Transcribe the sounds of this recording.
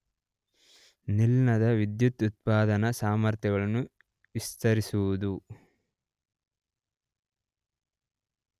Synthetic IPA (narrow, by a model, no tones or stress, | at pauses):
nilnɐd̪ɐʋid̪jut̪ut̪̚paːd̪ɐnɐsaːmɐɾt̪jɐɡɐɭɐnːu | ʋist̪ɐɾisuʋud̪u